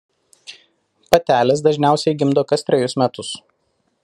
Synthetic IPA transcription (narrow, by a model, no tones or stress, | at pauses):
pɐt̪ʲæːlʲɛsd̪ɐʒʲnʲæˑʊsʲɛɪɡʲɪmd̪oːkɐsʲt̪ʲɾʲɛjʊsmʲɛt̪ʊs